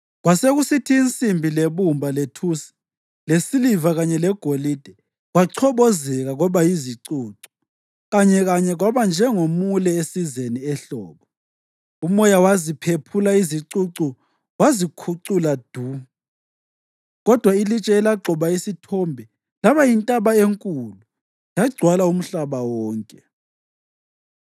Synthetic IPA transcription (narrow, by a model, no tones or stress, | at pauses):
ɣwaseɣusitʰiːnt͡sʼimbʱileβumbʱaletʰusi̥ | lesilivaɣaɲɛlɛɡ̥ʱolid̥ʱɛ | ɣwaǀʰɔβɔzɛɣaɣɔβajiziǀuːǀu̥ | ɣaɲɛɣaɲɛɣwaβand͡ʒʱɛŋomulɛesizeniɛɬɔ̰ːβɔ | umɔjawazipʰepʰulaiziǀuǀu | wazikʰuǀulad̥ʱu | ɣɔd̥ʱwailit͡ʃʼɛːlaǀʱɔβaisitʰombʱɛ | laβajintʼaβaeŋkʼulu | jaɡ͡ǀʱwalaum̩ɬaβawɔːŋkʼɛ